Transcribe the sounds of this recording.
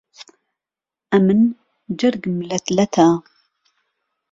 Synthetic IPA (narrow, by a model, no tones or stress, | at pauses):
ʔɐmɨn | d͡ʒɐrɡmlɐt̪ʰlɐt̪ʰaː